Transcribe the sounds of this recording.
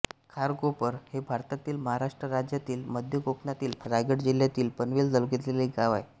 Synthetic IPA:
kʰaɾɡopəɾhebʱaɾt̪at̪iːlməɦaɾaʂʈɾəɾad͡ʑjat̪iːlməd̪ʱjəɡoknat̪iːlɾaɡəʈd͡ʑiljat̪iːlpənʋeld͡zəlɡet̪leliɡaʋaj

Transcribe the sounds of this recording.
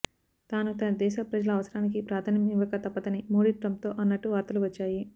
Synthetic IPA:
t̪aːnut̪ɐnɐd̪ɛːʃɐpɾɐd͡ʒɐlɐːʋɐsɐɾaːnik̬ipɾaːd̪ʰɐnɐmiʋɐkɐt̪ɐpːɐt̪ɐnimoːɽiʈɾɐmt̪o̞ːʔɐnːɐʈːuʋaːɾt̪ɐluʋɐt͡ʃːaːji

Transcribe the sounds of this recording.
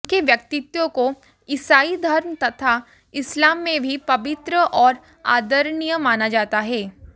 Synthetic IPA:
keʋjɐkt̪ɪt̪jõko | ɪsaːid̪ʱɐɾmt̪ɐt̪ʰa | ɪslaːmːẽbʱipɐʋɪt̪ɾəʔɔːɾ | aːd̪əɾnijəmːaːnad͡ʒaːt̪aɦɛː

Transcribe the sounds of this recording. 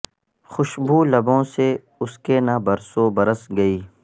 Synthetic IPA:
xʊʃbʱuːlɐbõːse | ʊskenabɐɾsoːbɐɾəsɡɐiː

